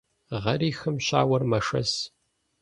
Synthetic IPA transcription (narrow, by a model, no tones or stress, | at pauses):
ʁɐɾiːxɨmɕa̰ːwɐrmɐʂɐ̰s